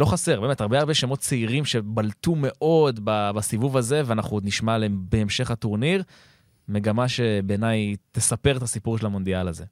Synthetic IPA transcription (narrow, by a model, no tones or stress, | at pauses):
lo̞χaseʁbemetaʁbeaʁbe̞ʃemo̞t̚t͡seiʁimʃe̞balt̪ume̞ʔo̞d̪babasivuvaze̞veanaχudniʃmalebe̞ːmʃe̞χat̪uʁniʁ | me̞ɡamaʃe̞beːnajt̪e̞sape̞ʁt̪asipuʁʃelamo̞nd̪ialaze̞